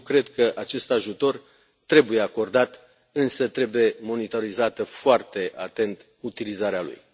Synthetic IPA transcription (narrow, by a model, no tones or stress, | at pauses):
kɾe̞d̪kəʔat͡ʃe̞st̪aʒut̪o̞r | t̪ɾe̞buje̞ako̞rd̪at̪ | ɨnsət̪ɾe̞buje̞mo̞nit̪o̞ɾizat̪əfoart̪e̞ʔa̰t̪e̞nt̪ | ut̪ilizaɾealṵj